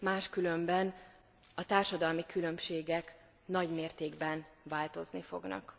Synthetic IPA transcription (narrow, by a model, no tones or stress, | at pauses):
maːʃkylø̞mbɛn | ɒt̪aːrʃɒd̪ɒlmikylø̞mʃeːɡɛk | nɒɟmeːrt̪eːɡbɛnvaːlt̪o̞znifo̞̰ɡnɒ̰k